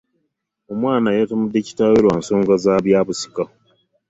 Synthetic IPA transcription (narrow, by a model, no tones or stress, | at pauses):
omwaːnajatomudːeci̥taweɾwanso̞ːŋɡazaːβjaːβusi̥ka